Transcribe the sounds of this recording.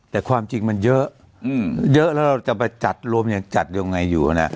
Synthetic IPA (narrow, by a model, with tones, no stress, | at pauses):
t̪ɛː˨˩kʰwaː˧mt͡ɕi˧ŋma˧njɤ˦˥ʔ | jɤ˦˥ʔlɛ˦˥wɾa˧wt͡ɕa˨˩pa˧jt͡ɕa˨˩t̪̚ɾu˧əmja˨˩ŋt͡ɕa˨˩t̪̚ja˧ŋːa˧jːuː˨˩ha˧˩na˦˥˩ʔ